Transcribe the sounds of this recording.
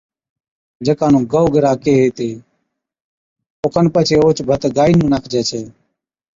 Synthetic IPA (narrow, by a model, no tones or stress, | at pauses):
d͡ʒəkãːnũːɡəʊɡəɾaːkeːɦeːt̪eː | oːkʰənpət͡ʃʰeːoːt͡ʃbʱət̪ɡaːiːnũːnaːkʰd͡ʒeːt͡ʃʰeː